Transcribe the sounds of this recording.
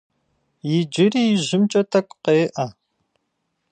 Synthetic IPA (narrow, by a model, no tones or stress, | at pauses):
jɪd͡ʒɪriːjɪʑɪmt͡ʃʼɐtʰɐkʷʼqeːʔɐ